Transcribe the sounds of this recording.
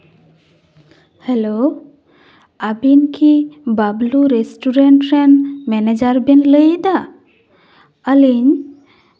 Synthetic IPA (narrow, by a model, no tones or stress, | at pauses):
helo | abinkʰibabluɾesʈuɾeɳʈɾenmɛned͡ʒaɾbinləjd̪a | əliɲ